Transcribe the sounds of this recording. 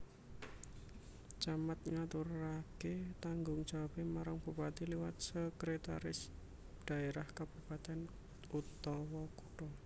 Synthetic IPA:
t͡ʃamat̪̚ŋat̪uraket̪aŋɡʊŋd̥d͡ʒ̥a̤wapemaɾaŋb̥upat̪iliwat̪̚səkɾet̪a̰ɾɪs | d̪̥a̤eɾahkab̥upat̪ɛn | ut̪ɔwɔkuʈɔ

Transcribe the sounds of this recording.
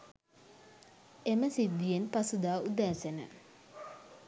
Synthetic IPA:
eməsid̪ːijenpasud̪aːud̪æːsenə̰

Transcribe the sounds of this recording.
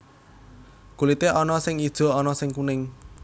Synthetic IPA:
kulit̪eʔɔnɔsɪŋi̥ʒ̥ɔ̤ɔnɔsɪŋkunɪŋ

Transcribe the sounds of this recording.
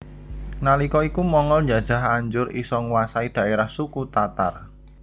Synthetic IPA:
nalikɔikumɔŋɔlɲd͡ʒad̥ʒ̥a̤ɦaɲd͡ʒʊɾisɔŋwasaid̪̥ä̤ʔeɾahsukut̪at̪a̰r

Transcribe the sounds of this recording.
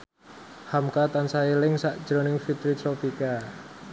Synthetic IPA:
hamkat̪ansailɪŋsaʔd̥ʒ̥ɾonɪŋfit̪ɾit̪ɾopika

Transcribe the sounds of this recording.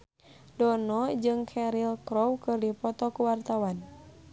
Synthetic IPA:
dɔnɔd͡ʒɨŋkʰɛɾilkɾɔwkɨrdipɔt̪ɔkuwart̪awan

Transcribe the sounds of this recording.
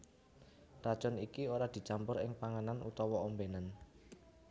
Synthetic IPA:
rad̥ʒ̥ɔnikioɾad̪̥i̤t͡ʃampʊɾɪŋpaŋananṵt̪ɔwɔɔmbenan

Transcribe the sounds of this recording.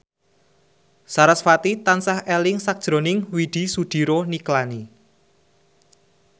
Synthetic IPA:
saɾəsfat̪it̪ansahelɪŋsak̚d̥ʒ̥ɾo̤nɪŋwid̪̥i̤sud̪̥i̤ɾoniklani

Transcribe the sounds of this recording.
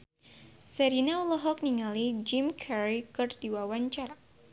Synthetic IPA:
sɛɾinaulɔɦɔk̚niŋalid͡ʒimkʰɛɾikɨrdiwawaɲt͡ʃaɾa

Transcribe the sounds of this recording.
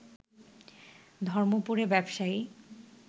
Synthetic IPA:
d̪ʱɔɾmopuɾebɛbʃai

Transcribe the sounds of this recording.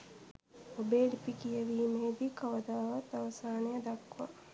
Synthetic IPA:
obeːɖipikijəʋiːmeːd̪ikɐʋəd̪aːʋat̪ːaʋɐsaːnejəd̪akːʋa̰

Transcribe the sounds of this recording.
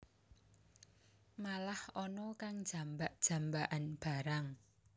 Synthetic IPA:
malahɔnɔkaŋd̥ʒ̥a̤mbaʔd̥ʒ̥ä̤mbaʔanb̥a̤ɾaŋ

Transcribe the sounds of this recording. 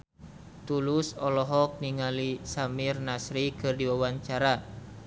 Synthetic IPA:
t̪ulusɔlɔɦɔk̚niŋalisamirnasɾikɨrdiwawaɲt͡ʃaɾa

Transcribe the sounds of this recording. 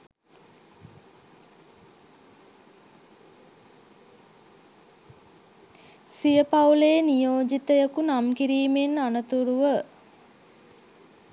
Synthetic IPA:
sijəpawleːnijoːd͡ʒit̪əjəkunamkiɾiːmenanət̪uɾuʋə

